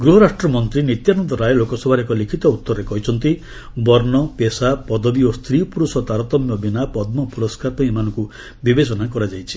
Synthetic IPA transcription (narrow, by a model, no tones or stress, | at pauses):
ɡɾuɦɔɾasʈɾɔmɔnt̪ɾinit̪janɔnt̪ɔɾajlokɔsɔbʱaɾekɔlikʰit̪ɔut̪ːɔɾɔɾekɔɦit͡ʃʰɔnt̪i | bɔɾnɔpesapɔd̪ɔbiost̪ʰɾipuɾusɔt̪aɾɔt̪ɔmjɔbinapɔd̪̚mɔpuɾɔskaɾpaĩmanɔ̃ŋku | bibet͡ʃɔnakɔɾad͡ʒajt͡ʃʰi̥